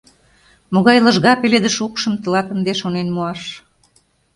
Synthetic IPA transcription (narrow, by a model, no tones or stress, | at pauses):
moɣɑjlɤ̆ʒɣɑpeled̪əʃukʃə̆mt̪ə̆lɑt̪ə̆nd̪eʃonenmuɑʃ